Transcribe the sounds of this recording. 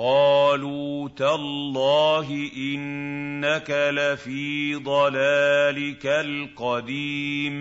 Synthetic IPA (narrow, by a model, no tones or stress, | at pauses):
qɑːluːt̪alːɑːɦɪʔɪnːakalafiːd̪ˤɑlaːlɪkalqɑd̪iːm